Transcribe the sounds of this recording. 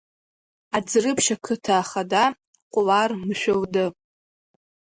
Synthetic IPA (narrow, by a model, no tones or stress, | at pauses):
ad͡zrɨpʰʃakʰɨtʰaːχada | qʷʼʊlarmɨʃʷᶣowdɨ